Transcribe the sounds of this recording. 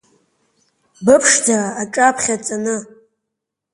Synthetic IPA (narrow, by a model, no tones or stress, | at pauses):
bɨpʰʂdʰaaaʈ͡ʂʼapʰχʲat͡sʼanɨ